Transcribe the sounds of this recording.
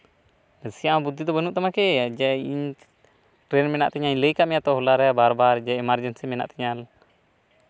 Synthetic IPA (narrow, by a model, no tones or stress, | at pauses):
əsijãbud̪ʱːid̪ɔbənuʔt̪amakɛd͡ʒɛiɲ | ʈɾɛnmɛna̰ʔt̪ɛɲaiɲləjkaʔmɛjat̪ɔhɔlaɾɛjabaɾbaɾd͡ʒɛɛmaɾd͡ʒɛnsɛmɛna̰ʔt̪ɛɲal